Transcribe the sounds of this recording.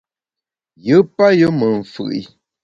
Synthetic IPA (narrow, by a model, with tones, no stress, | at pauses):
jə˦pa˦jə˦mə˨ɱ̩˨fɯ̰˨ʔḭ˨